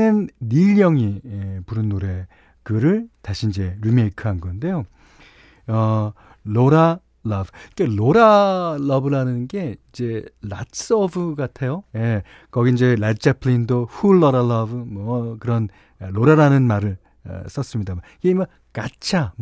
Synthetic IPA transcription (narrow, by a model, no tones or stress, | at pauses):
ɯnːiʎːʌŋiepuɾɯnːoɾe̞ | kɯɾɯɭtaɕʰiind͡ʑe̞ɾimeikʰɯɦanɡʌnde̞jo | ʌ | loɾa | lʌbɯkeloɾalʌbɯɾanɯnnɡe̞id͡ʑe̞la̰s͈ʌbɯɡatʰe̞joje̞ | kʌɡiind͡ʑe̞lat͡ɕ͈apʰɭindoɸuɭːʌɾaɭʌbɯmʌkɯɾʌn | loɾaɾanɯnmaɾɯɭ | ʌ̰s͈ʌs͈ɯmɲida | keimʌ | kat͡ɕʰam